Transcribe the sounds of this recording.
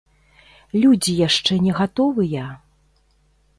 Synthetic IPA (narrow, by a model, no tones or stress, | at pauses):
lʲud͡zʲijaʂt͡ʂɛnʲɛɣat̪ɔvɨjɐ